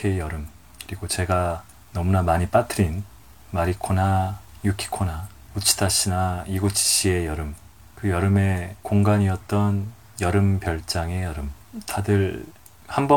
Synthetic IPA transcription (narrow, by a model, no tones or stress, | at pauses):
kʰejʌɾɯm | kɯɾiɡot͡ɕe̞ɡa | nʌmunamaɲip͈atʰɯɾin | maɾikʰonajukʰi̥kʰona | ut͡ɕʰi̥tʰaɕ͈ʰinaiɡot͡ɕʰi̥ɕ͈ʰie̞jʌɾɯm | kɯjʌɾɯme̞koŋɡaɲiʌt̚t͈ʌn | jʌɾɯmpjʌɭt͡ɕ͈aŋe̞jʌɾɯm | tadɯɾ | hambʌ